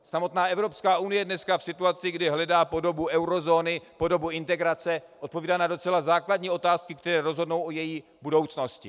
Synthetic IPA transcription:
samo̞t̪naːɛvɾo̞pskaːʔunɪjɛdnɛskafsɪt̪uat͡sɪɡdɪɦlɛdaːpo̞do̞buʔɛwɾo̞zoːnɪpo̞do̞buɪnt̪ɛɡɾat͡sɛʔot̪̚poviːdaːnado̞t͡sɛlazaːkladɲiːʔo̞t̪aːskɪk̚t̪ɛɾɛːɾo̞zɦodnowʔojɛjiː | budo̞wt͡sno̞scɪ

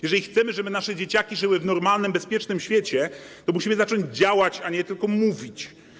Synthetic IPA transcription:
jɛʐɛlʲixt̪sɛmɘʐɛbɘnaʂɛd͡ʑet͡ɕakʲiʐɘwɘvnɔɾmalnɘmbɛspʲjɛt͡ʂnɘmɕfʲjet͡ɕɛt̪ɔmuɕimɘzat͡ʂɔɲd͡ʑd͡ʑawat͡ɕaɲɛt̪ɘlkɔmuvʲit͡ɕ

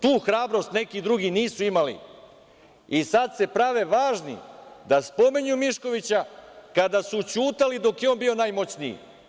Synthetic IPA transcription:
t̪uːxɾaːbɾo̞st̪ne̞kid̪ɾuɡiniːsuimalḭ | isad̪se̞pɾaʋe̞ʋaːʒnḭd̪aspo̞miɲumiʃko̞ʋit͡ɕakad̪asut͡ɕuːt̪alid̪o̞kjeo̞nbio̞najmo̞t͡ɕniḭ

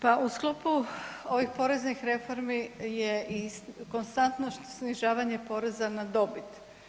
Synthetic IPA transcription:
paʔusklˠopuo̞ʋixpo̞ɾe̞znixɾe̞fo̞ɾmijeiko̞nst̪ant̪noʃt̪osniʒaːʋaɲe̞po̞ɾe̞zanad̪o̞bit̪

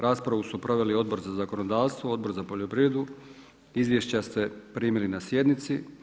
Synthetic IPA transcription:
ɾaːspɾaʋusupɾo̞ʋe̞lio̞d̪̚bo̞ɾzazako̞nod̪aːʋst̪ʋood̪bo̞ɾzapo̞ʎopɾiʋe̞d̪u | izʋjeʃt͡ɕast̪epɾiːmilinasje̞d̪nit̪si

